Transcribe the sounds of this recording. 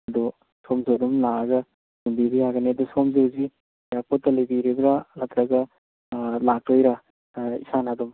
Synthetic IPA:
ɐd̪u | somzowdumlaɡɐ | hunbibijaɡɐned̪usomzewzi | jak̚pɔtːɐlɐjbiɾibɾalɐt̪ɾɐɡɐ | lak̚ojɾa | ḭsanadum

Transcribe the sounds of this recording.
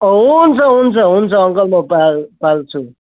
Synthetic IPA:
ɦunt͡sʰʌɦunt͡sʰʌɦunt͡sʰʌːŋkʌlmʌpalpalt͡sʰu

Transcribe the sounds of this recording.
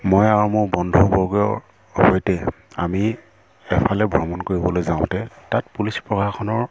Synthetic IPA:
mojaɹumʊɹbɔndʱɔbɔɡɔjɔ̰ | hojtɛ | ami | ɛpʰalɛbʱɹɔmɔnkoɹibɔlojzãʊ̃tɛtat̚pulispɹɔkʰakʰɔnɔɹ

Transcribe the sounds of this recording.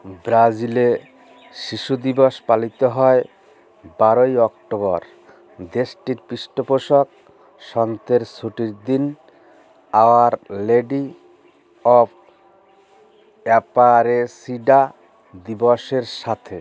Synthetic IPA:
bɾad͡ʑile | ʃiʃud̪ibɔʃpalit̪oɦɔe | baɾojɔkʈobɔɾ | d̪eʃʈiɾpiʃʈopoʃok̚ | ʃɔnt̪eɾsʰuʈiɾd̪in | aoaɾleɖi | ɔb | ɛpaɾesiɖa | d̪ibɔʃeɾʃat̪ʰe

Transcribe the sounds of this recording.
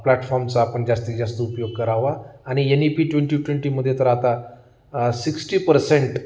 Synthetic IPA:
plɛʈfɔɾmt͡saːpəɳd͡ʑast̪id͡ʑast̪oupjoɡ̚kəɾaʋaːɽ̃ienipiːʈʋẽɳʈiʈweɳʈiməd̪ʱːjet̪əɾat̪a | siksʈiːpəɾsẽɳʈ

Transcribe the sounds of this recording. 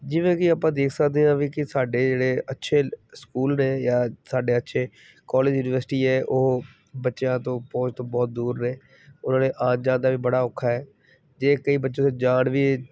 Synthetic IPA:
d͡ʒiʋẽːkɪaːpãːd̪eːkʰsəkd̪eːãːʋiːkɪsaːɖeːd͡ʒeːɽeːətːʃʰeːskuːlɾɛːjaːsaːɖeːətːʃʰeː | kɔːleːd͡ʒjuːnɪʋəɾsʈiːɛːʔʊɦ | bətːʃjãːt̪õːpɔ̃ːt͡ʃt̪õːbɔːt̪̚d̪uːɾːɛː | ʊnãːneːʔaːd͡ʒd͡ʒãːd̪aːʋiːbəɽaːʊkʰːaːɛː | d͡ʒeːkəiːbətːʃõːsed͡ʒaːɳʋiː

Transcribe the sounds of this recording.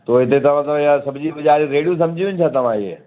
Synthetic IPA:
t̪oːɦɪt̪et̪ɐʋãt̪bjãsɐbd͡ʑiːbɐd͡ʒaːɾiɾeːɽijũsɐmd͡ʒʱiʋʊnɪt͡ʃʰat̪ɐʋãiḛː

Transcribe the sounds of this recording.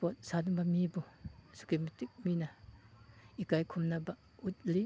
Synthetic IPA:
pɔt̚sadbamibusu̥kemitik̚mina | ikajkʰumnaba | ut̚li

